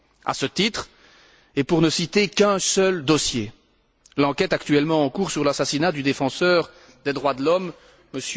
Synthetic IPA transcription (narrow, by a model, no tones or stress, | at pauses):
a̰sət̪it̪χ | epuʁnəsit̪ekɛ̃sœld̪ɔsje | lɑ̃kʲɛt̪akt̪yɛlmɑ̃ɑ̃kuːʁsyʁlasasinad̪yd̪efɑ̃sœːʁ | d̪ed̪ʁwad̪əlɔmː | əs